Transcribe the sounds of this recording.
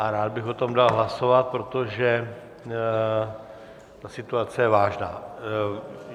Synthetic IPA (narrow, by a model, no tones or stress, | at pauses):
ʔaɾaːd̪̚bɪxo̞t̪o̞mdalɦlaso̞vat̪̚pɾot̪o̞ʒɛ | t̪asɪt̪uat͡sɛjɛvaːʒna̰ː